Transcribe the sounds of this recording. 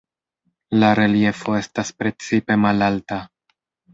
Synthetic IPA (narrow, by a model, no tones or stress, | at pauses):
laɾe̞lie̞fo̞e̞staspɾe̞t͡sipe̞malalta